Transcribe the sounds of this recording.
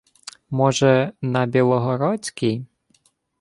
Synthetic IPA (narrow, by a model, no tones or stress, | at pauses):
mɔʒɛnɐbʲilˠɔɦɔɾɔt͡sʲkʲij